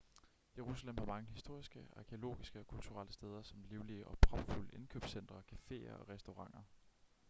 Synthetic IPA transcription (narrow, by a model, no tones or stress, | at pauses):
je̝ʁusælemhɑ̈mɑ̈ŋəɦisd̥o̝ɐ̰isɡ̥əɑ̈kʰeo̝lo̝̰ːɡ̥isɡ̥əɒ̽kʰult͡sʰuʁal̰əsd̥eːð̞ˠɐsɒ̽mliːʊliəʔɒ̽pʰʁɒ̽b̥fuləʔe̝nkʰø̰ːb̥sen̰d̥ʁɐkʰæfe̝̰ːɐ̰ɒ̽ʁɛsd̥oʁɑ̈ŋ̰ɐ